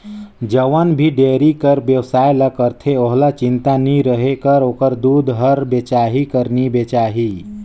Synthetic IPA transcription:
d͡ʒəʋənbʱiɖeːɾikəɾbjəwsaːjlakəɾt̪ʰeoɦlat͡ʃɪnt̪aniɾəɦekəɾoːkəɾd̪uːd̪ɦəɾbet͡ʃaːɦikəɾnibet͡ʃaːɦi

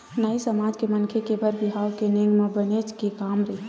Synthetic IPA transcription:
nəisəmaːd͡ʒkemənkʰekebʱəɾbiɦawkeneŋɡmebənet͡ʃkekaːmɾəɦi

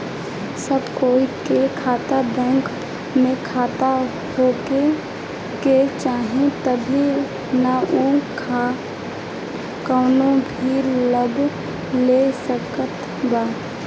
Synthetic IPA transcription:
səbkoːikekʰaːt̪abɛ̃ːŋk | mẽkʰaːt̪a | hoːke | ket͡ʃaːɦẽt̪əbʱi | naʔukʰa | kəːnobʱiːɾləb | lesəkət̪ | baː

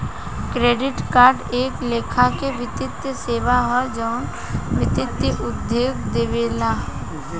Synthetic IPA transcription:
kɾeːɖɪʈkaːɾɖeːkleːkʰakeʋɪt̪ɪt̪jəseːʋaɦɛd͡ʒɔːn | ʋɪt̪ɪt̪jəʔʊd̪joːɡd̪eːʋeːlaː

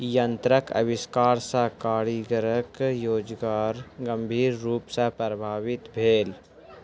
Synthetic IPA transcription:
jənt̪ɾəkʰɐ̰ʋɪskaːɾsakaːɾiɡəɾəkjoːd͡ʒɡaːɾɡə̃mbʱiːɾːuːpsapɾəbʱaːʋɪt̪bʱeːl

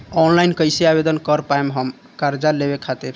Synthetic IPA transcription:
ɔnlajnkəjseabed̪ənkəɾpaemɦəm | kaɾd͡ʒalebekʰat̪iɾ

